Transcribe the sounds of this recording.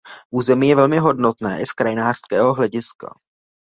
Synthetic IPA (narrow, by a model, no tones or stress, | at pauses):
ʔuːzɛmiːjɛvɛlmɪɦo̞dno̞t̪nɛːʔɪskɾajɪnaːr̥skɛːɦo̞ɦlɛɟɪska̰